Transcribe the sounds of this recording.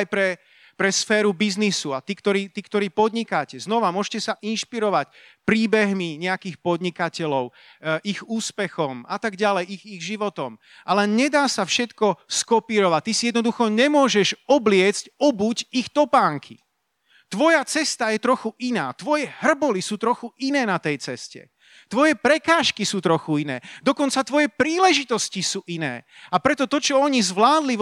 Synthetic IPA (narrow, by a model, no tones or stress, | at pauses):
ajpɾɛ | pɾɛsfɛːɾubiznisuat̪ikt̪ɔɾiːt̪ikt̪ɔɾiːpɔd̪ɲikacɛznɔʋamʊɔʒcɛsaʔinʃpiɾɔʋacpɾiːbɛɦmiɲɛakiːxpɔd̪ɲikacɛlɔʊ | ʔiɣuːspɛxɔmat̪aɡɟalɛjiɣiɣʒiʋɔt̪ɔm | ʔalɛɲɛd̪aːsafʃɛt̪kɔskɔpiːɾɔʋac̚t̪isijɛd̪nɔd̪uxɔɲɛmʊɔʒɛʒɔblɪɛt͡scɔbuɟixt̪ɔpaːŋkʰḭ | t̪ʋɔjat͡sɛst̪ajɛt̪ɾɔxuʔinaːt̪ʋɔjɛɦr̩bɔlisuːt̪ɾɔxuʔinɛːnat̪ɛjt͡sɛscɛ̰ | t̪ʋɔjɛpɾɛkaːʃkisuːt̪ɾɔxuinɛ̰ːd̪ɔkɔnt͡sat̪ʋɔjɛpɾiːlɛʒit̪ɔscisuːʔinɛ̰ːapɾɛt̪ɔt̪ɔt͡ʃɔɔɲizʋlaːd̪li